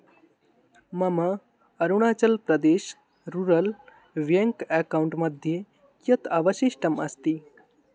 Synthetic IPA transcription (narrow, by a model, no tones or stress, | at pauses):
mɐməː | ɾuɽ̃aːt͡ʃɐlpɾɐd̪eːʃ | ɾuɾəl | ʋjeŋkɛkawuɳʈmɐd̪ʱje | kjɐt̪aʋəʃiʃʈəmɐst̪i